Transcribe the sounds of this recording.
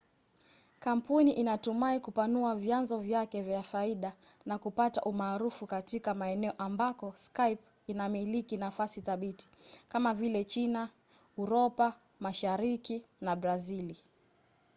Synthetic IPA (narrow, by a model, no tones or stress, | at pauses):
kam̩puniʔinatumaikupanuavjanzɔvjakɛvjafaiɗa | nakupata̰ʔumaːɾufukatikamaɛnɛɔʔambakɔskajp | inamilikinafasiθaɓiti̥kamavilɛt͡ʃina | uɾɔpa | maʃaɾikinabɾazili